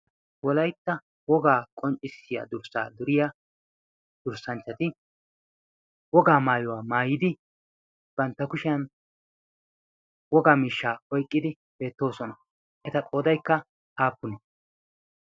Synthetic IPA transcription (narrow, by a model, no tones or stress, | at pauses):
wɔlɐjt̪ːɐ | wɔɡaːkʼɔnt͡ʃʼːɪsːɪja̰ːd̪ʊɾsa̰ːd̪ʊɾɪja | d̪̥ʊɾsɐnt͡ʃːɐt̪ɪ | wɔɡaːmaːjɔwaːmaːjɪd̪ɪ | b̥ɐnt̪ːɐkʊʃɪjɐn | wɔɡaːmiːʃːaːɔjkʼːɪd̪ɪ | b̥e̞ːt̪ːo̞ːsɔnɐ | ʔɛt̪ɐkʼo̞ːd̪ɐjkːɐ | ʔaːpːʊnɛ